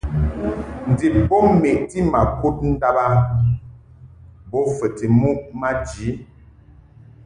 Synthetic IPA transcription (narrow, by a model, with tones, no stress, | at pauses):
n̩˨di˨bɔ˦me˨ʔti˦ma˨ku˦t̚n̩˦da˦ba˦ | bɔ˦fə˨ti˨mu˦ʔma˦d͡ʒi˨˦